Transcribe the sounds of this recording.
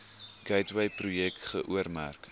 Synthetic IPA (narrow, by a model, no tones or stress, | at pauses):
ɡ̥ɛjtwɛjprujɛktχəʔuərmæ̰rk